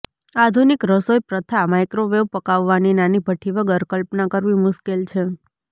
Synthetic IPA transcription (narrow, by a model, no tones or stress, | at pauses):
ad̪ʱunikɾəsojpɾət̪ʰamajkɾoʋeʋpəkaʋːaninanibʱəʈʰiʋəɡəɾkəlpnakəɾʋimʊʃkelt͡ʃʰe